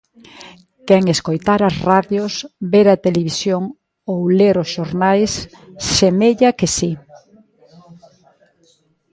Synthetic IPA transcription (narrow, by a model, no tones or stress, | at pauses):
kɛŋeskojt̪aɾɐsraðjosbeɾɐt̪eleβisjoŋ | owleɾosʃoɾnajsː | emeʎɐkesi